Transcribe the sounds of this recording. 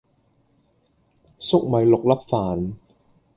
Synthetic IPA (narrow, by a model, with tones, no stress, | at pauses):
so˥˩k̚ma˨˧˦jlo˨˩k̚la˦˥p̚faː˨˩˦n